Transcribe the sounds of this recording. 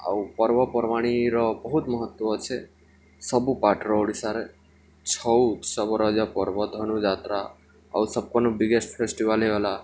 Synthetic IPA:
a̰upɔɾʋɔpɔɾʋaɽ̃iɾɔbɔɦut̪mɔɦɔt̪ːʋɔt͡ʃʰe | sɔbupaʈɾɔɽisaɾe | t͡ʃʰɔwsɔbɔɾɔd͡ʒapɔɾʋɔd̪ʱɔnud͡ʒat̪ɾa | a̰wsɔb̚kɔnubiɡesʈpʰesʈiʋaleɦɔla

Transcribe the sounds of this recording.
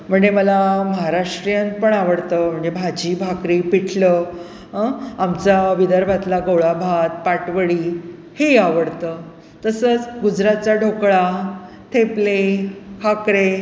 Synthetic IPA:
m̤əɳd͡zeməlaməɦaɾaʂʈɾjənpəɳaʋəɽt̪əm̤əɳd͡ʑebʱad͡ʑiːbʱakɾipiʈʰlə | ɦamt͡saʋid̪əɾbʱat̪laɡoɭabʱat̪̚paʈʋəɽiː | heaʋəɽt̪ə | t̪əsəːt͡sɡud͡ʑɾat̪̚t͡saɖʱokɭa | t̪ʰeplekʰakɾe

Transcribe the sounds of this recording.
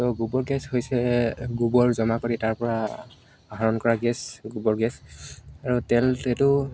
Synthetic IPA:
tɔɡubɔɹɡɛshojsɛɡubɔɹzɔmakoɹitaɹpɔɹa | bʱaɹɔnkɔɹaɡɛsɡubɔɹɡɛsaɹutɛltetu

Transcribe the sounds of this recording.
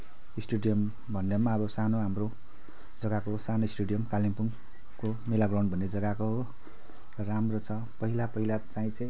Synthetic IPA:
isʈuɖijʌm | bʱʌnːʌmaʌbʌsanoɦamro | d͡zʌɡakosanoisʈuɖijʌmkalimpuŋ | ko | melaɡraw̃ɳɖ̚bʱʌnːed͡zʌɡako | ramrot͡sʰʌ | pʌɦilapʌɦilat͡saĩt͡sʌ̃ĩ

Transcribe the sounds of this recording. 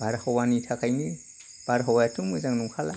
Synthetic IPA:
baɾahɔwanitʰakʰajni | b̥aɾɦɔwajatʰumɯzaŋnuŋkʰala

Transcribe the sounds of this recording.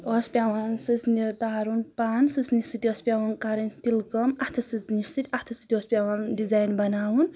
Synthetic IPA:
ɔspʲawansɨt͡snit̪aɾunpansɨt͡snisit̪iʌspʲawankaɾint̪ilkɔmat̪ʰɐsɨt͡snistit̪ʲat̪ʰɐsit̪iɔspʲawanɖid͡zajnbɐnawun

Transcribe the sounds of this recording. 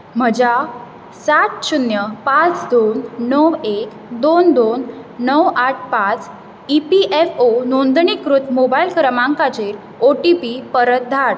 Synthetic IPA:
m̤əd͡ʑa | sat̪̚t͡ɕunjəpat͡sd̪onːəwek | d̪ond̪onːəwaʈ̚ʰpãt͡s | ipiʔefonond̪ɳikːɾut̪ʰmobailkəɾəmãŋkat͡ɕeɾ | oʈipipəɾət̪̚d̪ʱaɽ

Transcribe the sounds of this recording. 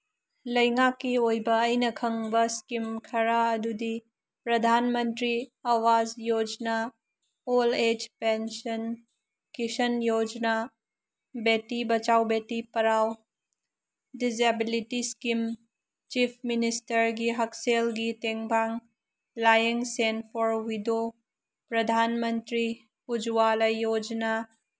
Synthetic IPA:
lɐjŋakːiojbɐːjnɐkʰɐŋbɐskimkʰɐɾaɐdudi | pɾɐd̪ʱanmɐntɾiɐwad͡ʒjod͡ʒna | oled͡ʒpensɐn | kisɐnjod͡ʒna | betibɐt͡ʃawbetipɐɾaw | ɖɪzebɪliʈiskim | t͡ʃiːpʰmɪnɪsʈəɾɡiɦɐkseːlɡit̪ẽŋbʱaŋ | laːjəŋseːnpʰɔɾʋid̪o | pɾɐd̪ʱaːnmə̃nt̪ɾi | ʊd͡ʒwaːləjːoːd͡ʒna

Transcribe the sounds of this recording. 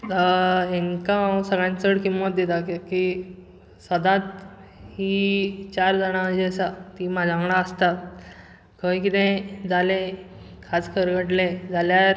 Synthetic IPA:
ẽŋkasəɡɭãnt͡səɽkimət̪̚d̪et̪akki | səd̪ãt̪hit͡ɕaɾd͡zəɽ̃ãəd͡ʑeəsat̪im̤ad͡zãŋɡɽãəst̪a | kʰə̃jkit̪ẽd͡zalẽ | kʰat͡skʰəɾɡʱəʈlẽd͡zaljaɾ

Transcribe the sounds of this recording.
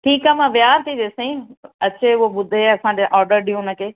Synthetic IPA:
ʈʰiːkamãːʋjaːɾt̪ʰid͡ʑeːsẽĩɐʃʰeoɓʊd̪ʱeɐsãːd͡ʑeʔɔːɾɖəɾɗĩjũnəkʰeː

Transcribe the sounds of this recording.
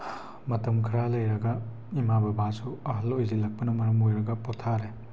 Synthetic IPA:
mɐtɐmkʰɐɾalɐjɾɐɡɐ | imabɐbʱasuɐɦɐlojzilɐk̚pɐnɐmɐɾumojɾɐɡɐpɔtʰaɾe

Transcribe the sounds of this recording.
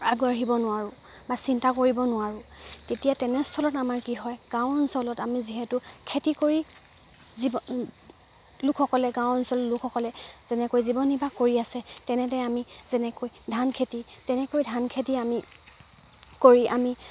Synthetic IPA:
aɡaɦibɔnʊwaɹʊ̃ | basintakoɹibɔnʊwaɹʊ̃tetijatɛnɛstʰɔlɔtamaɹkiɦɔjɡ̥ãwnsɔlɔtamiziɦɛtʊkʰetikoɹi | zi | lukʰɔkɔlɛɡãw̃ɔnsɔlɔlukʰɔkɔlɛzɛnɛkojzibɔnibakːoɹiasɛtɛnɛtɛamizɛnɛkojdʱankʰeti | tɛnɛkojdʱankʰetiami | koɹiʔa̰mi

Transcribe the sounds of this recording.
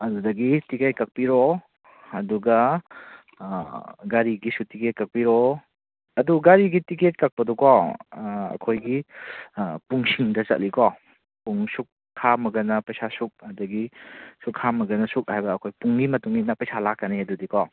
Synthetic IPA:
ɐdudɐɡitikejkɐk̚piɾo | ɐduɡɐ | ɡaɾiɡisutiket̚kak̚piɾo | ɐduɡaɾiɡitiket̚kɐk̚pɐdukɔ | ɐ̰kʰojɡi | puŋsiŋdɐt͡ʃɐ̰t̚likɔ | puŋsuk̚ʰːamɐɡɐnɐpɐjsasuk̚ɐduɡisukʰːamɐɡɐnɐsuk̚hajbɐːkʰojpuŋːɡimɐtuŋinɐpɐjsalakːaneɐdudikɔ

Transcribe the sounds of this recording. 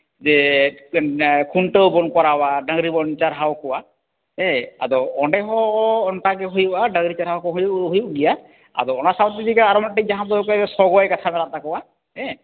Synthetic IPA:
d͡ʒe | kʰunʈəwbɔnkɔɾabaɖəɡɾibɔnt͡ʃaɾɦawkɔwa | ɦɛ̃ad̪ɔɔɖɛɦɔɔnʈakeɦujaɖəɡɾit͡ʃaɾɦawkɦɦojbɡija | a̰d̪ɔɔnasawt̪id̪ikaaɾɔmɔʈik̚d͡ʒaɦat̪ɔokɔaɛsɔɡɔjkat̪ʰamɛɾat̪̚ːakɔwa | ɛ

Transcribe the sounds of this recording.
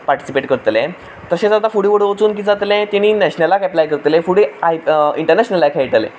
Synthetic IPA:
paɾʈi̥sipeʈkəɾt̪lẽ | t̪əɕẽd͡zad̪afuɽiʋəɽʋət͡suːnk̬iːd͡zat̪lẽt̪eniːnɛɕnəlakɛplajkəɾt̪lẽfuɽiajiɳʈəɾnɛɕnəlakʰejʈlḛ̃

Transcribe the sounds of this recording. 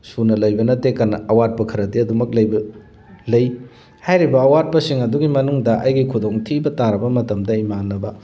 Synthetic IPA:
sunɐlɐjbɐnɐtekɐnːɐɐwat̚pɐkʰɐɾɐtiɐdumɐk̚lɐjbɐ | lɐj | hajɾibɐːwat̚pɐsiŋɐduɡimɐnuŋdɐʔɐjɡikʰudoŋtʰibɐtaɾɐbɐmɐtɐmdɐimanːɐbɐ

